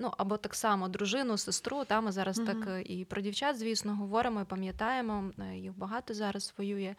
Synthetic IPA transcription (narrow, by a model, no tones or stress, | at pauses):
nuʔɐbɔt̪ɑksɑmɔd̪ɾʊʒɪnʊsɪst̪ɾut̪ɑmɪzɑɾɐst̪ɑkipɾɔdʲiwt͡ʃat̪zʲʋʲisnɔɦɔʋɔɾɪmɔipɐmʲjɐt̪ɑjemɔjixbɐɦɑt̪ɔzɑɾɐsʋɔjujɛ